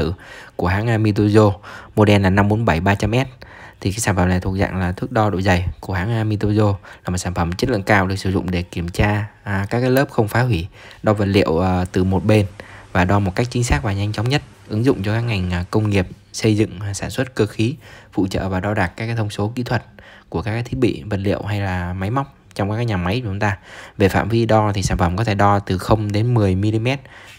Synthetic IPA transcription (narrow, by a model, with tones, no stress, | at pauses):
ɨ̰˧˩˨ku˧˩əɦaː˨˥ŋʔaː˧mi˧t̪̬o˧zo˧mo˧ɗɛ˧nlaː˨˩na˧mɓo˨˦nɓa˧˩jɓaː˧t͡ɕa˧mʔɛ˦˥t̚t̪ʰi˨˩kaː˨˦jsaː˧˩fə˧˩mna˨˩jt̪ʰu˨˩ək̚za̰ː˧˨ŋlaː˨˩t̪ʰɨ˦˥k̚ɗɔ˧ɗo̰˧˨jzə˨˩jku˧˩əɦaː˨˥ŋʔaː˧mi˧t̪o˧zo˧laː˨˩mo˨˩t̚saː˧˩nfə˧˩m̚˩t͡ɕə˦˥tlɨ̰˧˨ŋkaː˧wɗɨ˨˩əsɨ˧˩zʊ̰˧˨ŋ͡mɗe˧˩ki˧˩əmt͡ɕaː˧˩kaː˦˥k̚ːaː˨˦jləː˦˥p̚xə˧wŋ͡mfaː˨˦ɦwi˧˩ɗɔ˧və˨˩t̚lḭ˧˨əwt̪ɨ˨˩mo˨˩t̚ɓe˧nvaː˨˩ɗɔ˧mo˨˩t̚ka˦˥jk̟̚t͡ɕï˨˦ŋ̟saː˦˥k̚vaː˨˩ɲa˧jŋ̟t͡ɕa˨˦wŋ͡mɲə˦˥t̚ʔɨ˨˦ŋzʊ̰˧˨ŋ͡mt͡ɕɔ˧kaː˦˥k̚ŋa˨˩jŋ̟ʔkə˧wŋ͡mŋi˨˩əp̚ | sə˧jzɨ̰˧˨ŋ˩saː˧˩nswə˦˥t̚kəː˧xi˨˦vṵ˧˨t͡ɕə̰ː˧˨vaː˨˩ɗɔ˧ɗaː˨˩k̚kaː˦˥kaː˧˦t̪ʰə˧ŋ͡mso˨˦ki˧˥t̪ʰwə˨˩t̚ku˧˩əkaː˦˥kaː˨˦jt̪ʰi˦˥ɓḭ˧˨və˨˩t̚lḭ˧˨əwɦa˧jlaː˨˩ma˨˦jma˦˥wk͡p̚ | t͡ɕɔ˧ŋ͡mkːkaː˦˥k̚ɲaː˨˩ma˨˦jt͡ɕʊ˨˦ŋ͡mt̪aː˧ve˨˩fa̰ː˧˨mvi˧ɗɔ˧t̪ʰi˨˩saː˧˩nfə˧˩mkɔ˨˦t̪ʰe˧˩ɗɔ˧t̪ɨ˨˩xə˧wŋ͡mɗe˨˦nmɨ˨˩əjmi˧li˧mɛ˦˥t̚